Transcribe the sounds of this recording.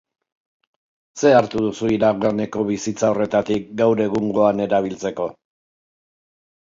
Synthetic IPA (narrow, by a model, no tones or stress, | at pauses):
se̞aɾt̪uð̞usuiɾaɣarne̞ko̞βisit͡sao̞re̞t̪at̪ik̚ɡawɾe̞ɣuŋɡo̞ane̞ɾaβ̞ilt͡se̞ko̞